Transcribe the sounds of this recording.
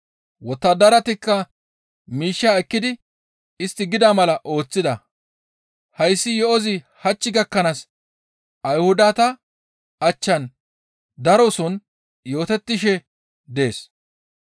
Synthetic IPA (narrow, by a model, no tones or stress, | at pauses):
wɔt̪ːɐd̪ɐɾɐt̪ɪkːɐ | miːʃːaːɛkːɪd̪ɪ | ɪst̪ːɪɡɪd̪amɐlɐʔo̞ːt͡sːɪd̪ɐ | hɐjsːɪjɔɔzɪ | hɐt͡ʃːɪɡɐkːɐnas | ɐjhʊd̪aːt̪ɐ | ɐt͡ʃːɐn | d̪ɐɾɔsɔn | jo̞ːt̪ɛt̪ːɪʃɛ | d̪e̞ːs